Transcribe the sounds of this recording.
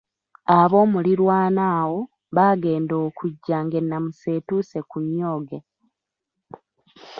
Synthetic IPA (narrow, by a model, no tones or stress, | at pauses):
aβo̞ːmuliɾwaːnaːwo̞ | βaːɡe̞ːndoːkʰuɟːaŋɡe̞nːamuse̞ːtuːse̞kuɲːo̞ːɡe̞